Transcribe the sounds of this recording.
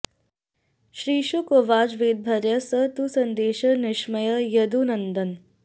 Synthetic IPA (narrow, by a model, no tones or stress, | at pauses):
ʃɾiːʃukoʋaːd͡ʒʋeːd̪̚bʱɐɾjɐsət̪usɐnd̪eːʃɐnɪʂmɐjɐjɐd̪unɐnd̪ɐn